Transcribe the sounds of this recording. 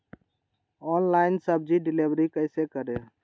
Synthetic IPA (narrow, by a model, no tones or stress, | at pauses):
ɔːnlaːɪnsəb̚d͡ʒiɖɪleʋɾikəɪsekəɾe